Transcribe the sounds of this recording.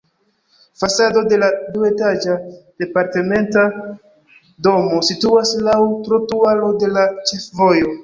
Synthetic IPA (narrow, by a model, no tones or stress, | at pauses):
fasado̞de̞ladue̞tad͡ʒad̥e̞paɾte̞me̞nta | do̞mo̞situaslawtɾotualo̞de̞lat͡ʃe̞fvo̞jo̞